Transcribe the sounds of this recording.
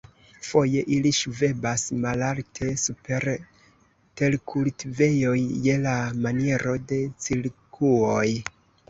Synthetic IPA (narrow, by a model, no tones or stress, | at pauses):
fo̞je̞ʔiliʃuve̞basmalaltʰe̞supe̞ɾ | te̞lkʰultive̞jo̞jːe̞lamanie̞ɾo̞de̞t͡siɾkʰuoj